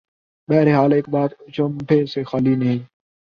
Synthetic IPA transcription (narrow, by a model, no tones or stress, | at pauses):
ɓɛːɾeːɦaːlɪːk̚ɓaːt̪t͡ʃəmʈʰeːseːxaːliːnəĩː